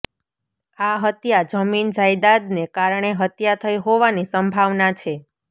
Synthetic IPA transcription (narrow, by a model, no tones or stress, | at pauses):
aɦət̪jad͡ʒəmind͡ʒajd̪ad̪nekaɾɳ̃eɦət̪jat̪ʰəiɦoʋanisəmbʱaʋnat͡ʃʰe